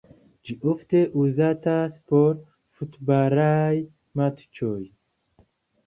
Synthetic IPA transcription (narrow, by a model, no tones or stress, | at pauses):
d͡ʒiʔoft̪e̞ʔuzataspoɾ | fut̪baɾaj | mat̪t͡ʃoj